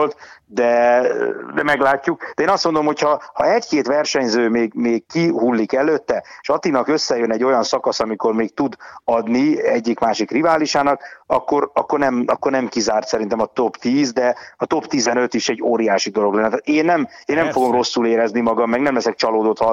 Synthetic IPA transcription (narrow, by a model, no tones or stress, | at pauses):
lt̪d̪ɛ | d̪ɛmɛɡlaːcːuk̚d̪ɛeːnɒst̪mo̞nd̪olomhochɒhɒɛckeːt̪ʋɛrʃɛɲzøːmeːɡmeːɡkiɦulːikɛløːt̪ːɛeːʃɒt̪inɒkø̞sːɛjønɛɟːo̞jɒnsɒkɒsɒmiko̞rmeːkt̪ud̪ɒd̪niɛɟːikmaːʃikrivaːliʃaːnɒkɒkːo̞ɾɒkːornɛmɒkːornɛmkizaːrt̪sɛɾint̪ɛmɒt̪o̞pt̪iːzd̪ɛɒt̪o̞pt̪izɛnø̞t̪iʃɛɟːoːɾijaːʃid̪o̞lo̞ɡlɛnːɛt̪aːt̪eːnːɛmeːnːɛɱfoɡo̞mro̞sːuleːɾɛznimɒɡɒmːɛɡnɛmlɛsɛk̚t͡ʃɒloːd̪o̞t̪hɒ